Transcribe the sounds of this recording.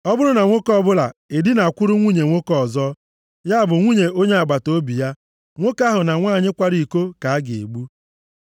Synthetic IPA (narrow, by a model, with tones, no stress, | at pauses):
ɔ˦bʊ˦ɾʊ˦na˨ŋʷo˦kɔ˦bʊ˦la˨e˨dɪ˦na˨a˨kʷʊ˦ɾʊ˦ŋʷu˦ɲe˨ŋʷo˦kɔ˦˨zɔ˦ | ja˦a˦˨bʊ˨ŋʷu˦ɲe˨o˦ɲe˦a˨ɡ͡ba˨to˦bi˨ja˦ | ŋʷo˦ka˦ɦʊ˨na˨ŋʷaː˦˨ɲɪ˦kʷa˦ɾi˨ko˦ka˨a˦ɡe˨ḛ˨ɡ͡bu˦